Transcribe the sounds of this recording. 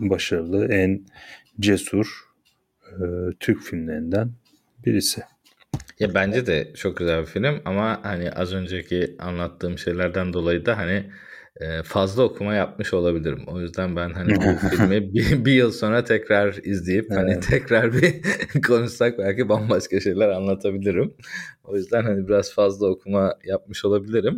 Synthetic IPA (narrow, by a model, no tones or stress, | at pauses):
baʃaɾɯlˠɯæn | d͡ʒesuɾ̥ | t̪ʰyɾcfilʲmlʲeɾind̪æn | biɾisɪ | jabænd͡ʒɛd̪ɛt͡ʃʰo̞k̚ɟyzælʲbifilʲimamahaniʔazø̞nd͡ʒɛcʰia̰nlˠat̪ʰːɯːmʃe̞jlʲæɾd̪ænd̪o̞lˠajɯd̪aɦani | ɛːfazlˠao̞kʰumajap̚mɯʃo̞lˠabilʲiɾḭmo̞jyzd̪ænbænɦanibuffilʲmibibijɯlˠso̞nɾat̪ʰɛcɾaɾizlʲejiphanit̪ʰɛcɾaɾbikʰo̞nuʃsak̚bælʲcibanbaʃkaʃe̞jlʲæɾanlˠat̪ʰabilʲiɾimo̞jyzd̪ænɦanibiɾaz̥fazlˠao̞kʰumajap̚mɯʃo̞lˠabilʲiɾim